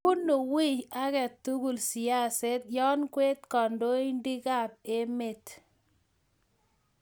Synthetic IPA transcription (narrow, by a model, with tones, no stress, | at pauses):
ʊ˦nːo˨wi˦ja˦kɛ˨t̪u˦ɡu˨lsi˨a˦˨se˦t̪̚jɔ˦nkwe˦t̪kɔ˨ndo˦i˦ndi˦ka˦˨p̚e˦me˨t